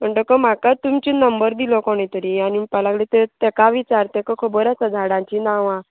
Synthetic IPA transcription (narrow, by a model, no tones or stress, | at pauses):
m̤əɳʈ̪əkəm̤akat̪umt͡ɕinəmbəɾd̪ilɔkɔɽ̃ẽt̪əɾiañipalaɡlet̪et̪ekaʋit͡ɕaɾt̪ekəkʰəbəɾasad͡z̪ʱaɽãɲt͡ɕinãʋã